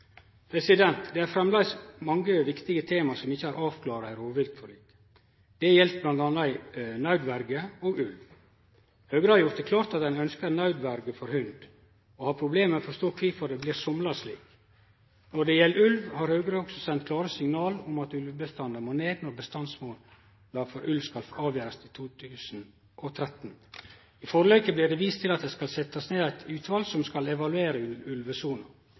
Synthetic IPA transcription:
pʰɾɛsɪd̪ɛnt̪d̪ɛæɾfɾɛmlæɪsmɑŋɡəʋɪkt̪ɪɡət̪ʰeːmɑsɔmɪçːəæːɾʔɑːʋkʰlɑːɾɑæɪɾoːʋɪlt̪fɔɾɭiːkə̥ | d̪̥ɛjɛlt̪̚blɑnd̪ɑnɑɪnɑʉd̪ʋæɾɡəoːɡʉlʋ | hœːɡɾəhɑɾjʊɾt̪d̪əkʰlɑːɾt̪ɑt̪̚d̪ɛnœnskəɾnɑʉd̪ʋæɾɡəfɔɾhʉnd̪ | ɔhɑːpʰɾʊbleːmmɛfɔʂt̪oːkʰʋiːfɔɾd̪ɛbliːɾsɔmlɑʂlḭːk | nɔɖɛjɛlːʉlʋhɑɾhœːɡɾəɔksɔsɛnt̪̚kʰlɑːɾəsɪŋnɑːlʊmɑt̪ʉlʋbəst̪ɑnd̪əmoːneːd̪nɔɾbəst̪ɑnsmoːl | lɑfɔɾʔʉlʋskɑlfɑːʋjøːɾɑst̪ʰɪt̪ʰuːt̪ʰʉːsn̩ | ʔɔt̪ʰɾɛt̪n | ɪfɔɾlœʏkəblɪɾɖ̪ɛʋiːst̪ʰɪlɑt̪̚d̪ɛskɑlsɛt̪ːɑsneːd̪æɪt̪ʰʉːt̪ʋɑlsɔmskɑlɛʋɑlʉeːɾəʉlʉlʋəsuːnɑ

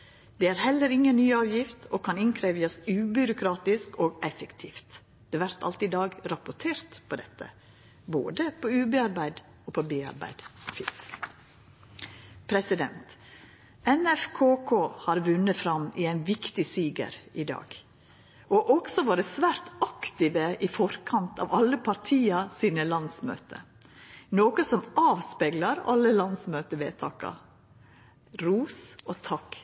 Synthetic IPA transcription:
d̪̥ɛæːɾhɛlːəɾɪŋːənnːyːɑːʋjɪft̪ʰokʰɑnɪnkʰɾeːʋjəsʉːbʏɾʊkʰɾɑːt̪ɪskoːɡɛfɛkt̪ʰiːft̪ | d̪̥ɛːʋæɾt̪ʰɑ̰lt̪ɪd̪ɑːɡɾɑpʊʈʰeːɾt̪pʰɔd̪ɛt̪ːə̰ | bo̰ːd̪əpʰɔʉːbeɑɾbæɪd̪ | opʰɔbeːɑ̰ɾbæ̰ɪd̪fɪsk | pʰɾɛsɪd̪ɛ̰nt̪ | ɛnɛfkʰoːkʰoːhɑɾʋʉnːəfɾɑmɪæɪnʋɪkt̪ɪsiːɡə̰ɾɪd̪ɑ̰ːɡ | ɔʔɔksɔʋɑːɾəsʋæːɾt̪ɑkt̪ɪʋəʔifɔɾkʰɑnt̪ɑ̰ːʋɑlːəpʰɑɾt̪ʰiːɑsiːnəlɑnsmø̰ːt̪ə̰ | noːkəsɔmɑːʋspeːɡlɑɾɑ̰lːəlɑnsmøːt̪əʋḛːt̪ʰɑːkɑ̰ | ɾuːsoːt̪ʰɑk

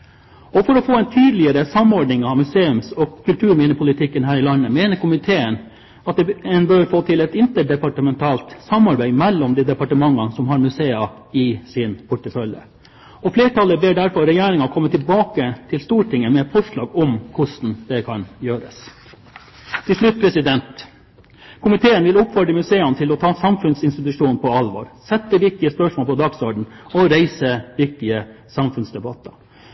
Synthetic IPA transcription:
ɔfɔɾɔfoːɛnt̪ʰyːd̪lɪəɾəsɑmɔɖɳɪŋɑːʋmʉseːʉmsɔkʰʉlt̪ʰʉːɾmɪːnəpʰʊlɪt̪ʰɪkːənhæːɾɪlɑnːəmeːnəɾkʰʊmɪt̪ʰeːən | ɑt̪̚d̪ɛɛnbœɾfoːt̪ʰɪlɛt̪ɪnt̪əɖɛpɑʈəmɛnt̪ʰɑːlt̪sɑmɑɾbæɪmɛlːɔmd̪iːd̪ɛpɑʈəmɑŋːɑsɔmɦɑɾmʉseːɑ | ɪsɪnpʰʊʈəfœljə̰ | ɔfleːʈɑləbɪɖæɾfɔɾɾɛjæːɾɪŋɑkʰɔmːət̪ʰɪlbɑːkət̪ʰɪlst̪uːʈɪŋːəmɛfʰɔʂɭɑ̰ːɡɔmkʰʊʂn̩d̪ɛkʰɑnjøːɾəs | t̪ʰɪlʂlʉt̪̚pʰɾɛsɪd̪ɛnt̪ | kʰʊmɪt̪ʰeːənʋɪlʊpfɑɖəmʉseːɑnt̪ʰɪlɔt̪ʰɑːsɑmfʉnsɪnst̪ɪt̪ʉʂuːnnpʰɔɑlʋo̰ːɾsɛt̪ːəʋɪk̚t̪ɪəspœʂmoːlpʰɔd̪ɑɡsɔɖɳ̩ɔɾæɪsəʋɪk̚t̪ɪə | sɑmfʉnsd̪ɛbɑt̪ːɑ

